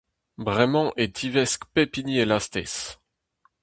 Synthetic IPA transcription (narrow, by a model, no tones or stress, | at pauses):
bʁɛmɑ̃ʔet̪ʰivɛskpepinielast̪ɛ̰s